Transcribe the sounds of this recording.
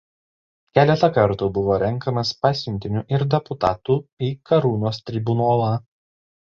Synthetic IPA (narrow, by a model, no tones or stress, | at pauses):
kʲæːlʲɛt̪ɐkɐɾt̪ubʊʋoːɾʲɛŋˑkɐmɐspɑːsʲʊnʲt̪ʲɪnʲuːʔɪɾd̪ʲɛpʊt̪ɑːt̪uːiːkɐɾuːnoːst̪ʲɾʲɪbʊnoːlˠɑː